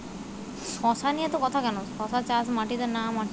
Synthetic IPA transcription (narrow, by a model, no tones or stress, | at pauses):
kɔsanijet̪ɔkɔt̪ʰakɛnokɔ̃sat͡ʃasmaʈit̪enamaʈ